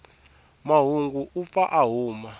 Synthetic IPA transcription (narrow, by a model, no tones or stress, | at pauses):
maɦuŋɡuʔufaʔaɦuːma